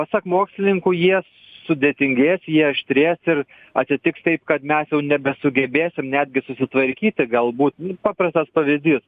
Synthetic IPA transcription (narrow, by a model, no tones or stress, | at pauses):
pɐsɑkmoːksʲlʲɪnʲɪŋkʊːjiɛ | sʊd̪ʲeːt̪ʲɪŋʲɡʲeːsʲjiɛʃʲt̪ʲɾʲeːsɪr | ɐt̪ʲsʲɪt̪ʲɪkst̪ɐɪpkɐt̪mʲɛsjɛʊnʲɛbʲɛsʊɡʲɛbʲeːsʲɪmnʲæːd̪ʲɡʲɪsʊsʲɪt̪ʋɐɾʲkʲiːt̪ʲɪɡɐlˠbuːt̪nʊpɑːpɾɐst̪ɐspɐʋʲɪzʲd̪ʲiːs